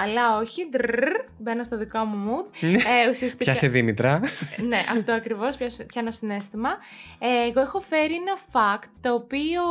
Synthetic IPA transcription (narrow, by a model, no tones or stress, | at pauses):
ɐlɐo̞çid̪ | be̞no̞st̪ɐðiko̞mumud̪̚usiɐst̪içɐseðimit̪ɾɐneʔɐ̰ft̪oɐkɾivo̞spçɐspçɐnosine̞st̪imɐeːɣoexo̞fe̞ɾienɐfɐkt̪ːoːpio